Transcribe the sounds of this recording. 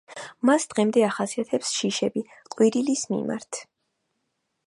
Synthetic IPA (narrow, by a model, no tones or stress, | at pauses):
masd̪̥ʁɛmd̪ɛaχasiat̪ʰɛpsʃiʃɛbi | qʼwiɾilismḭma̰ɾt̪ʰ